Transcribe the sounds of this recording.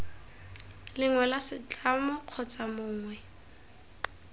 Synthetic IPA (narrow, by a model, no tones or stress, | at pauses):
lɪŋwɛlasɪt͡ɬʼamʊq͡χʰɔt͡samʊːŋwɛ